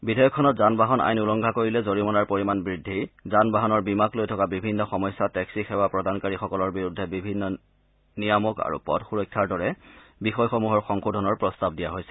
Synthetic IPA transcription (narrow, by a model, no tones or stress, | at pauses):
bidʱajɔkʰːɔnɔtzanbaɦɔna̰jnulɔŋɡʱakoɹilɛzoɹimɔnaɹpoɹimanbɹidʱːizanbaɦɔnɔɹbimaklojtʰɔkabibʱinːɔxɔmɔjsːatɛksixɛwapɹɔdankaɹixɔkɔlɔɹbiɹudʱːɛbibʱinːɔ | nijamɔka̰ɹṵpɔ̰dxuɹɔjkʰːaɹdɔɹɛbixɔjxɔmuɦɔɹxɔŋxudʱɔnɔɹpɹɔstab̚dijaɦojsɛ̥